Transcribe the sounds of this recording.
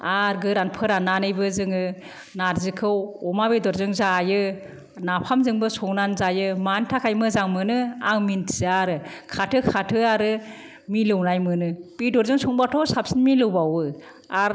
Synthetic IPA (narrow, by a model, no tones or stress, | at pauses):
aɾɡɯɾanpʰɯɾanːanɯjbɯzɯŋɯ | naɾzɯkʰɯwɔmabedɔɾzɯŋzajɯ | napʰamzɯŋbɯsɔŋnanzajɯmantʰakʰajmɯzaŋmɯnɯaŋmintʰzaɾɯkʰatʰɯkʰatʰɯaɾɯ | milɯwnajmɯnɯb̥idɔɾzɯŋsɔŋbatʰɔsapsinmilɯwbawɯ | aɾ